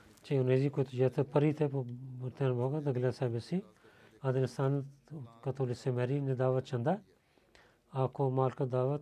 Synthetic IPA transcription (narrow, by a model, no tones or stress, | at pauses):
t͡ʃeʊneːziːkʊt̪d͡ʒaːt̪ʰepəɾiːt̪ʰeːbʊɾt̪enboːɡad̪əɡlaːsɛːbesĩː | ad̪ənɪst̪aːnkət̪oːlisemɛːɾiːned̪aːʋət̪̚t͡ʃənd̪aː | aːkʰoːmaːlkəd̪aːʋət̪